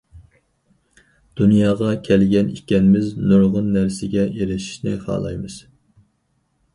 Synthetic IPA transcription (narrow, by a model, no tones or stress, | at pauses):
d̪̥unjɑːʁɑkʲʰɛlɡʲɛnikʲɛnɪmɪznuɾʁʊnːæɾsɪɡʲɛeɾɪʃi̥ʃnɪ̰χɑ̰ːlˠɑ̰jmɨz̥